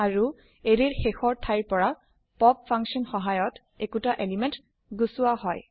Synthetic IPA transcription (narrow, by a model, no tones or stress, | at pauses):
aɹu | eɹiɹxexɔɹtʰajɹpɔɹa | pɔpfʰaŋksɔnxɔɦajɔt | ekutaʔelimɛnt | ɡusuwaɦɔj